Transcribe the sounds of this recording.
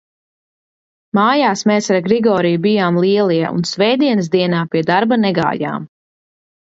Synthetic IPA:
maːjaːsmɛːsaɾɡɾiɡɔːɾijubijaːmlˠiɛlˠiɛʔṵnsvɛjd̪iɛnsd̪iɛnaːpiɛd̪aɾbanɛɡa̰ːja̰ːm

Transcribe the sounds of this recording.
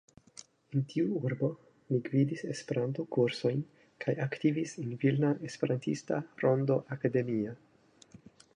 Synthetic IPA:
entʰiuuɾbo̞ | mikvidise̞spe̞ɾanto̞kuɾso̞jn | kʰajaktivisenvilnaʔe̞spe̞ɾantistaɾo̞ndoʔakade̞mia

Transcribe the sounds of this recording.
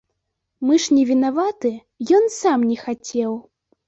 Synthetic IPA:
mɨʂnʲɛvʲinavat̪ɨ | jɔnsamnʲɛxat͡sʲɛw

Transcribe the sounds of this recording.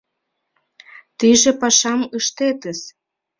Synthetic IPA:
t̪iʒĕpɑʃɑməʃt̪et̪əs

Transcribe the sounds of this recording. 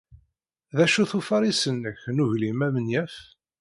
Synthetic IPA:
ðæʃuθufɑɾisənːəçnuʝlimæmənjæf

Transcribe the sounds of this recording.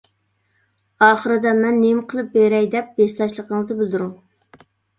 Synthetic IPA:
ɑːχəɾɨd̪ɛmɛnːemqʰəlˠɨp̚beɾɛjd̪ɛp̚best̪ˠɑʃlˠəqʰəɴəzɨbɪld̪yɾuŋ

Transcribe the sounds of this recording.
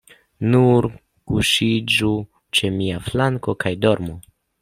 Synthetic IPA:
nuɾ | kuʃid͡ʒu | t͡ʃe̞miaflaŋko̞kajdo̞ɾmu

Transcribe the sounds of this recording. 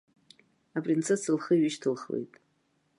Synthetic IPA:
apʼrint͡sʰesɨlχəɥɪʃtʰɨlχlḛjtʼ

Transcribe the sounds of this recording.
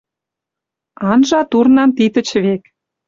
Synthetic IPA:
ɑnʒɑt̪urnɑnt̪it̪ə̆t͡ɕβek

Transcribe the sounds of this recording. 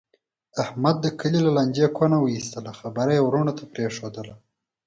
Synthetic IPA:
ahmad̪̚ːəkəlilalanʲd͡ʒekwanawəist̪əlaxabaɾajwɾuɳat̪ʰapɾeʂod̪əla

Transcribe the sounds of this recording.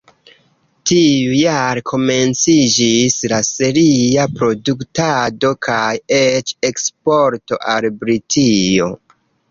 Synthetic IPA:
tiujaɾekʰo̞me̞nt͡sid͡ʒislase̞ɾiapɾo̞duktado̞kʰajet͡ʃe̞kspo̞ɾto̞̰ʔalbɾitʰijo̞̰

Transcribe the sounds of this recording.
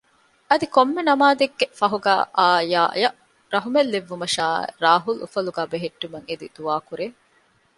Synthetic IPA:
ɐd̪ikomːenɐmaːd̪eɡːefɐɦuɡæ̰ːʔaːja̰ːjɐ | ɾɐɦumelːeʋːumɐʃaːɾaːɦulṵfɐluɡæːbeɦeʈːumɐŋed̪id̪̥uaːkuɾeː

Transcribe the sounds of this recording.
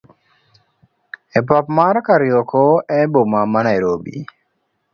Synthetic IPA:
ep̬apmaɾkaɾijokʰoɛbomamanajɾobḭ

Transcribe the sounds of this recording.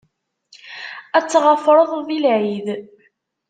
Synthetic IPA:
æt͡sːʁəfɾˤəðˤðilʕið

